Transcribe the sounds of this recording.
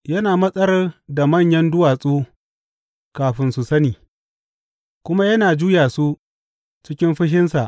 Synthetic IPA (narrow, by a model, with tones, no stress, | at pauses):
jɐ˦naː˨mɐ˦sʼɐ˦ɾɐ˦da˨mɐ˦˨ɲjɐ˦ndʊ˦waː˨sʼoː˦ | kaː˨ɸɪ˦nsu˨sɐ˦niː˨ | kʷʊ˦ma˦jɐ˦naː˨d͡ʒuː˦jaː˨su˦ | t͡ʃɪ˦kʲɪ˦mɸɪ˦ʃɪ˦nsa˨ʔ